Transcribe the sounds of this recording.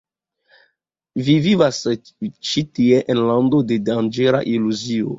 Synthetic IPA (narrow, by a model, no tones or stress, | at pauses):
vivivas | t͡ʃitieʔɛ̃nlãnd̪odedand͡ʒeɾa̰ʔiluzio̰